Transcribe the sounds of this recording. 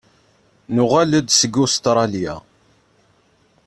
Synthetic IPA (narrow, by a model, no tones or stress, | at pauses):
nʊʁæləd̪səɡːust̪ɾˤɑljæ̰